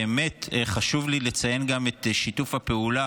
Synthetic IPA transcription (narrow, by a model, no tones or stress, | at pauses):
eme̞tχaʃuvlilet͡saje̞nɡame̞t̪ʃitufhape̞ula